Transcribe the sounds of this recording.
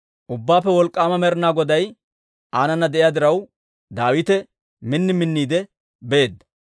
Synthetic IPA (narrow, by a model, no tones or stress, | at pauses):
ʔʊbːaːpːɛwɔlkʼːaːmɐmɛɾɪnaːɡɔd̪ɐj | ʔaːnɐnːɐd̪ɛʔɪjaːd̪ɪɾɐw | d̪aːwɪt̪ɛ | mɪnːɪmɪnːiːd̪ɛ | bɛeːd̪ːɐ̥